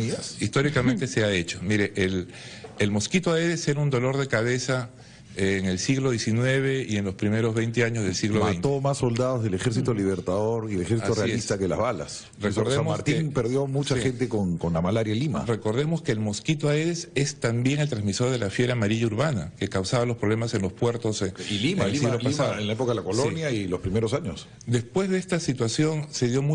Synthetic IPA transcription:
iist̪o̞ɾikament̪ese̞aet͡ʃomiɾe̞ʔel | elmo̞skit̪oaeðeseɾund̪o̞lo̞ɾð̞e̞kaβ̞e̞sa | ŋelsiɣlo̞ðje̞sinwe̞β̞e̞ienlospɾime̞ɾozβe̞jnt̪e̞aɲozðelsiɣloβejnt̪omasːold̪aðozðelexeɾs̬it̪oliβeɾt̪aðoɾielexeɾsat̪osrealist̪akela̰zβala̰s | resoɾðseamomasɾt̪iŋpeɾðjo̞mut͡ʃaxent̪ekoŋkonlamalaɾjalima̰re̞ko̞ɾð̞e̞moskeːlmo̞skit̪oaeðese̞st̪ambje̞ŋelt̪ɾanzmiso̞ɾð̞e̞lafje̞ɾamaɾiʝauɾβanake̞kawsaβalo̞spɾo̞βle̞mase̞nlo̞spwe̞ɾt̪o̞seilimasiloaisaenlaep̬okaðelakolonjailospɾimeɾosaɲos | d̪e̞spwe̞zðe̞est̪asit̪wasjo̞nse̞ðjo̞mu

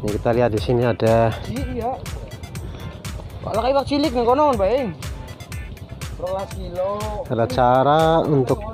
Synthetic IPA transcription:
ɲakit̪aliɦat̪̚disiniadaia | ka̰ʔlakaiwak̚t͡ʃilɪk̚nikɔnɔŋanpaeŋ | rɔlasiloaɾat͡ʃaɾaunt̪ʊk̚

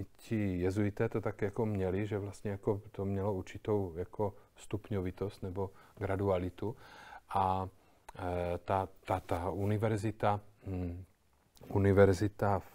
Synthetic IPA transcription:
cijɛzujit̪ɛːt̪ot̪akjakomɲɛliʒɛvlast̪ɲɛjakot̪omɲɛlouɾt͡ʃit̪owjakost̪upɲɔvit̪ɔst̪nɛboɡɾad̪ualit̪uʔa | t̪at̪at̪aunivɛɾzit̪a | univɛɾzit̪af

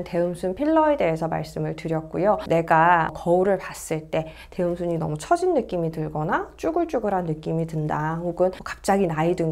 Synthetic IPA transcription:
nte̞ɯmsʰunpʰiɭːʌe̞de̞esʰʌma̰ɭs͈ɯmɯɭtɯɾjʌk̚k͈ujone̞ɡakʌuɾɯɭpas͈ɯɭt͈e̞ | te̞ɯmsʰuɲinʌ̰mut͡ɕʰʌd͡ʑinːɯk͈imitɯɭɡʌnat͡ɕ͈uɡɯɭt͡ɕ͈uɡɯɾɦanːɯk͈imitɯndahoɡɯnkḁp̚t͡ɕ͈aɡinaidɯŋ

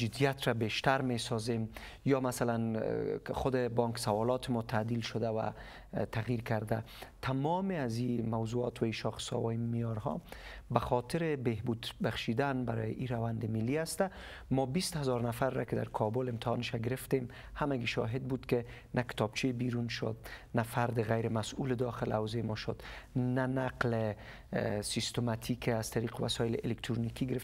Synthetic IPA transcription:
d͡ʒɪd̪ijat̪ɾabeʃt̪aɾmesɔzem | jɒmasalan | χʊd̪ɪbɔŋksawɔlɔt̪ʰɪmɔt̪ʰad̪ilʃʊd̪awa̰ | t̪ʰaɣjiɾkaɾd̪a | t̪ʰamɔmɪazimawzuɒt̪waiʃɔxsɒ̰wajimijɔɾɦɔ̰baxɔt̪ɪɾɪbeɦbud̪baχʃid̪anbaɾɔ̰jɪʔiɾawand̪ɪmɪlːihast̪a | mɔbist̪hazɒɾnafaɾːakɪd̪a̰ɾkʰɔbʊlɪmt̪ɪhɑnʃaɡɪɾɪft̪em | hamaɡiʃɔ̰ɦɪd̪̚bud̪kɪ | nakɪ̥t̪ɒb̥̚t͡ʃʰebiɾunʃʊ̰d̪̚nafaɾd̪ɪɣajɾɪmasulɪd̪ɒxɪlawzemɔʃʊd̪̥nanaqlɪ | sist̪omat̪ʰikaz̥t̪ʰaɾiqɪwa̰sɔjɪlɪʔɪlekt̪ɾunikiɡɪɾɪf

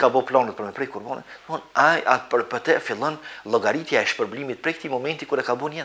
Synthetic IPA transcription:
kabɔplɔnət̪̚pəɾmɛpɾɛjkuɾbɔnɛ̰nθɔnaja̰pəɾpət̪ɛfilˠɔnlˠɔɡaɾit̪jaɛʃpəɾblimit̪̚pɾɛkə̥t̪imɔmɛnt̪ikuɾɛkabunɛ

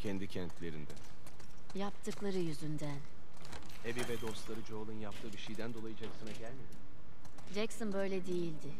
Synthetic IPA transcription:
cʰɛnd̪icʰɛnt̪lʲe̞ɾind̪ɛ | japt̪ʰɯklˠaɾɯjyzynd̪æn | ebivɛd̪o̞st̪lˠaɾɯd͡ʒo̞ːlˠɯnjap̚t̪ʰɯːbiʃijd̪ænd̪o̞lˠajɯd͡ʒɛksɯnaɟælʲme̞d̪im | d͡ʒɛksɯnbø̞jlʲɛd̪ejilʲd̪ɪ

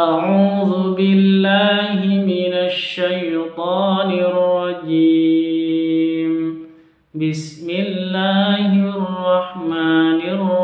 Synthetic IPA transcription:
ʔaʕuːðʊbɪlːaːhɪmɪnaʃːajt̪ˤɑːnɪrːɑd͡ʒiː | m | bɪsmɪlːaːhɪɑrˤːɑħmaːnɪr

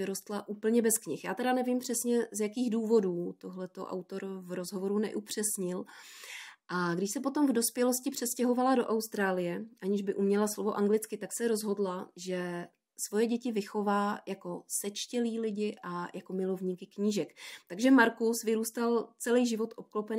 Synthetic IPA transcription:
vɪɾo̞st̪laʔuːpl̩ɲɛbɛskɲɪxjaːt̪ɛɾanɛvimpr̝̥ɛsɲɛzjakiːxduːvo̞duːt̪oɦlɛt̪o̰ʔa̰wt̪o̞ɾvɾozɦo̞vo̞ɾunɛ̰ʔupr̝̥ɛsɲɪl | ʔaɡdɪʃsɛpo̞t̪o̞mvdo̞spjɛlo̞scɪpr̝̥ɛscɛɦo̞valado̞ʔawst̪ɾaːlɪjɛʔaɲɪʒbɪʔumɲɛlaslo̞vo̞ʔaŋɡlɪt͡skɪt̪aksɛɾo̞zɦo̞dlaʒɛ | svo̞jɛɟɛcɪvɪxo̞vaːjako̞sɛt͡ʃcɛliːlɪɟɪʔajako̞mɪlo̞vɲiːkɪkɲiːʒɛkt̪aɡʒɛmaɾkusvɪɾuːst̪alt͡sɛlɛjʒɪvo̞t̪ʔop̚klopɛn

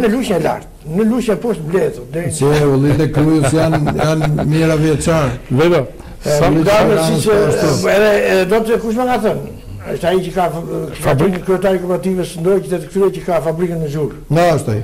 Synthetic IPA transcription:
nəluʃjɛla̰ɾt̪nəluʃjəɛpɔst̪blɛðud̪ɛsəulˠit̪̬ɛkɾuəsjanjanmiɾaviɛt͡ʃaɾvɛd̪a | aid̪amɛasəʃt̪ɔɛðɛɛðɛd̪ɔt̪kuʃ̬mɛkaθən | əʃt̪aicəkafabɾikkɾyɛt̪aɾikɔpɛɾat̪ivəsnd̪ɔjt͡ʃət̪ɛt̪əkt̪ɾyɛcəkafabɾikənəzuɾ | naʃt̪a

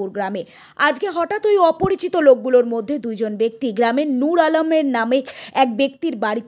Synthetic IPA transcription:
uɾɡɾame | ad͡ʑɡeɦɔʈat̪ojɔpoɾit͡ɕit̪olok̚ɡuloɾmod̪ʱːed̪ujd͡ʑonbek̚t̪iɡɾamenuɾalomeɾnameɛk̚bek̚t̪iɾbaɾit̪

